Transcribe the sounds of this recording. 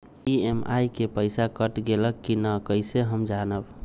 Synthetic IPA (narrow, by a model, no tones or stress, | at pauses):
iema̰jkepəɪsakəʈɡeləkːinəkəɪseɦəmd͡ʒanəb